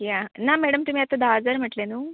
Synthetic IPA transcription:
janamɛɽəmt̪um̤iːat̪ad̪ad͡zəɾm̤əʈlenuː

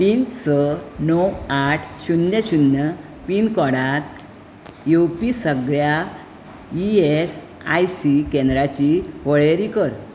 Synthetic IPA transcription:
t̪iːnt͡sənɔwaʈʰɕunjəɕunːjə | piːnkɔɽat̪ | juwpisəɡɭja | ies | a̰jsikɛ̃nd̪ɾat͡ɕiʋəɭeɾikəɾ

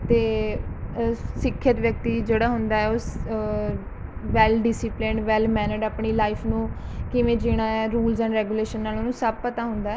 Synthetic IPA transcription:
t̪eː | sɪkʰːət̪ʋjək̚t̪iːd͡ʒeːɽaːɦʊnd̪aːɛːoːs | ʋɛːlɖɪsɪplɪɳʋɛːlmɛːnəɖaːpɳiːlaːɪpʰnũːkɪʋẽːd͡ʒɪɽ̃aːɛːɾuːlzɛ̃ːɳɾɛːɡuːleːʃənːaːloːnũːsəb̚pət̪aːɦʊ̃nd̪aːɛ

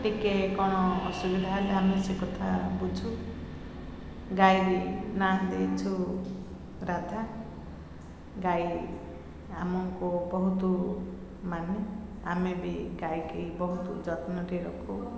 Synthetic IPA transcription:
ʈikekɔɽ̃ɔːsubid̪ʱaɦeleamesekɔt̪ʰabud͡ʒʱu | ɡajɾinand̪ejt͡ʃʰu | ɾad̪ʱa | ɡaj | amɔkubɔɦut̪u | mane | amebiɡajkibɔɦut̪ud͡ʒɔt̪nɔɾiɾɔkʰu

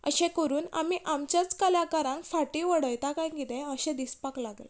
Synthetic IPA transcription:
ə̰ɕẽkəɾuːna̰miʔamt͡ɕjat͡skəlakaɾãŋkfaʈĩʋəɽəjt̪akãjkit̪ɛ̃əɕɛ̃d̪ispaklaɡlḛ

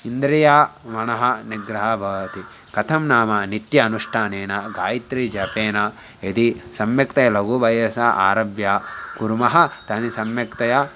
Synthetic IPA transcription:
ind̪ɾɐjaːʋɐɳɐɦɐniɡɾɐɦɐbʱɐʋɐt̪i | kɐt̪ʰɐmnaːmɐnit̪jɐːnuʂʈʰaːneːnɐɡaːjit̪ɾid͡ʒɐpeːnɐ | ed̪isɐmjɐkt̪ɐjɐlɐɡuʋɐjɐsɐʔa̰ːɾɐʋjaːkuɾmɐɦɐt̪ɐnisɐmjɐkt̪ɐjɐ

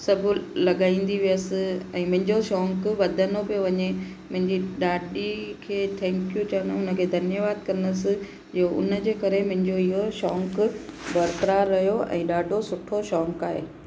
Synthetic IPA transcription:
sɐbʱʊ̆lɐɠaːĩːn̆d̪iʋijəsɪ̆ɛ̃ːmʊ̃ɦɪ̃ɲd͡ʑoʃɔːŋkʋɐd̪ʱənobijoʋɐɲe | mʊ̃ɦɪ̃ɲd͡ʑiɗaːɗikʰeːt̪ʰɛ̃ːŋkjut͡ɕɐʋnoʊnə̆kʰeːd̪ʱɐnjəʋaːd̪̚kɐɾənəsɪ̆ | d͡ʑiːoʔʊ̰nə̆d͡ʑeːkɐɾemʊ̃ɦɪ̃ɲd͡ʑoɪɦoʃɔːŋkbʱɐɾp̪ɾaɾɐjoɛ̰̃ːɗaːɖʱosʊʈʰoʃɔːŋkaːɦeː

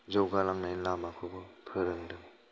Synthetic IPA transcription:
zowɡalaŋnajlamakʰubɯpʰɯɾɯŋdɯŋ

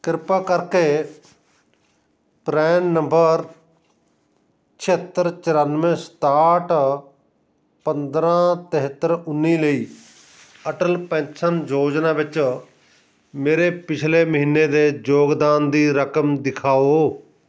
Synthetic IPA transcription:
kɪɾpaːkəɾkeː | pɾɛːnːə̃mbəɾ | t͡ʃʰɪət̪ːəɾt͡ʃəɾaːnʋẽːst̪aːʈ | pənd̪ɾãːt̪ɦɪt̪ːəɾʊnːiːləiː | əʈəlpɛ̃sənd͡ʒoːd͡ʒnãːʋɪt͡ʃ | meːɾeːpɪt͡ʃʰleːməɦiːnːeːd̪eːd͡ʒoːɡd̪aːnd̪iːɾəkəmd̪ɪkʰaːoː

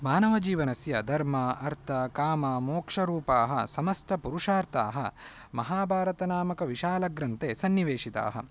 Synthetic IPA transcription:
maːnɐʋɐd͡ʒiːʋɐnɐsjɐd̪ʱɐɾmɐɐɾt̪ʰɐkaːmɐmoːkʂɐɾuːpaːɦɐsɐmɐst̪ʰɐpuɾuʂaːɾt̪ʰa̰ːɦɐ̰ | mɐɦaːbʱaːɾɐt̪ɐnaːmɐkɐʋiʃaːlɐɡɾɐnt̪eːsɐnːiʋeːʂit̪a̰ːɦɐ̰

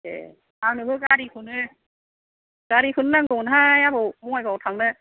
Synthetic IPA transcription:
ḛ | awnɯbɯkaɾikʰɯnɯ | kaɾikʰɯnɯnaŋɡɔwnɦajabɯwmɔŋajkawtʰaŋnɯ

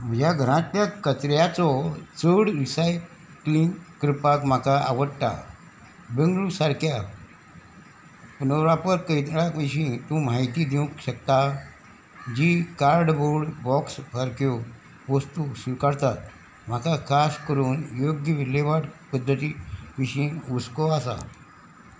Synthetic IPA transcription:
məjaɡʱəɾãt̪ːjakət͡sɾjat͡sɔt͡səɽɾisaj | kliŋkɾipakm̤akaʔa̰ʋəɽʈa̰ | beŋɡlusaɾkʰja | punəɾapəɾkəjt̪ɽakə̃ɕĩt̪ũm̤aɦit̪iːd̪jũkɕəkt̪a | d͡ʑikaɾɖboɽbɔksfaɾkjo | ʋəst̪usʋikaɽt̪at̪̚ | m̤akakʰaskəɾuːnjoɡjəʋileʋaɽpəd̪ʱːət̪iʋiɕĩːuskoasa̰

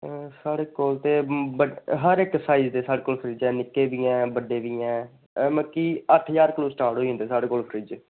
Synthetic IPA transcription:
saːɽeːkoːlt̪eːbəɦəɾɪksaːiːzd̪eːsaːɽeːkoːlpʰɾɪd͡ʒɛːnɪkːeːʋiːɛ̃ːbəɖeːʋiːɛ̃ː | məkiːəʈʰjaːɾkloːsʈaːɾʈɦoːiːɦʊ̃nd̪eːsaːɽeːkoːlpʰɾɪd͡ʒ

